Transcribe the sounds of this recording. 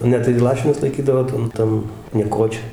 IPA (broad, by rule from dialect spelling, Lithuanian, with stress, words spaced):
ˈnʲɛ tɐɪ ˈlˠɑːʃʲɪnʊs lˠɐɪˈkʲiːdɐʋoː ˈtɐn ˈtɐn nʲiɛˈkoːt͡ʃʲoːj